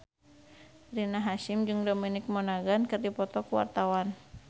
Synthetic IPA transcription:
rinaɦaʃimd͡ʒɨŋdominɪk̚mɔnaɡankɨrdipɔt̪ɔkuwa̰rt̪awan

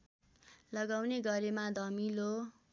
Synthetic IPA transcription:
lʌɡawneɡʌɾemad̪ʱʌmilo

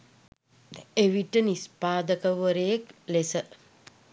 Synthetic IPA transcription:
eʋiʈənispaːd̪əkəʋəɾəjeklesə

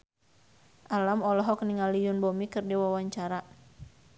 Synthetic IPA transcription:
ʔalamɔlɔɦɔk̚niŋalijunbɔmikɨrdiwawaɲt͡ʃaɾa

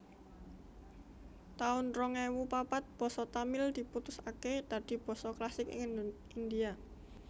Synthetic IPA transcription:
t̪aʊnrɔŋɛwupapat̪̚b̥ɔ̤sɔt̪amɪld̪̥i̤put̪ʊsaked̪̥ä̤d̪̥i̤b̥ɔ̤sɔklasɪkɪŋ | ind̪ia

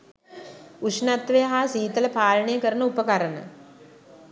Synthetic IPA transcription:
usnat̪ʋejəɦaːsiːt̪ələpaːlɳejəkəɾənəupəkaɾənə̰

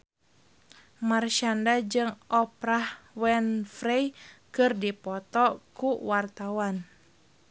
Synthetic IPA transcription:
marʃandad͡ʒɨŋʔɔpɾahwɛnfɾɛjkɨrdipɔt̪ɔkuwart̪awan

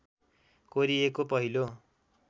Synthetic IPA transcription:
koɾiekopʌɦilo

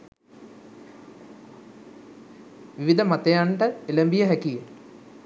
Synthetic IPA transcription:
ʋiʋid̪ɐmat̪ejaɳʈəelɐmbijɐɦækije

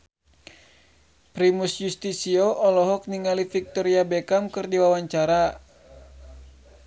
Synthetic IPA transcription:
pɾimusjust̪isioʔɔlɔɦɔk̚niŋalifik̚t̪ɔɾiabɛkamkɨrdiwawaɲt͡ʃaɾa

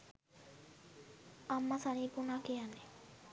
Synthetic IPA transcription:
amːasanipunakeane

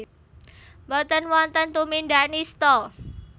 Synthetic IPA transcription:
bɔt̪ənwɔnt̪ənt̪uminɖanist̪ɔ

